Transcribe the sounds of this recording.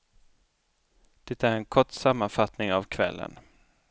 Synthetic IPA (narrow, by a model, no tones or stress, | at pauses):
d̪̥ɛt̪ːæɾɛnkʰɔʈːsamːanfat̪nɪŋavkʰvɛ̰lːə̰n